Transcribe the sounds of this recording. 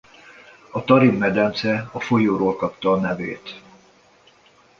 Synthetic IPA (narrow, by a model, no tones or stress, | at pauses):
ɒt̪ɒɾimːɛd̪ɛnt̪sɛɒfo̞joːɾoːlkɒpt̪ɒːnɛvḛːt̪